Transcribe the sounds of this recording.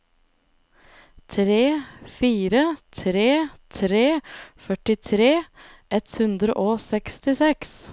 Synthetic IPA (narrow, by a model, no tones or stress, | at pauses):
t̪ʰɾeːfiːɾət̪ʰɾeːt̪ʰɾeːfœʈɪt̪ʰɾeː | ʔɛt̪hʉnd̪ɾə̰ʔoːsɛkst̪ɪsɛks